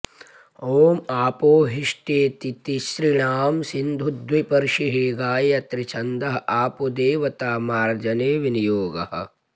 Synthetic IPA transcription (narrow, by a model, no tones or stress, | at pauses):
oːmaːpoːɦiʂʈeːt̪it̪iʃɾiɳaːmsind̪ʱud̪wipɐɾʃiɦiːɡaːjɐt̪ɾit͡ʃʰɐnd̪ɐɦɐ̆ʔaːpod̪eːʋɐt̪aːmaːɾd͡ʒɐneːʋinijoːɡɐ̰ɦɐ̰̆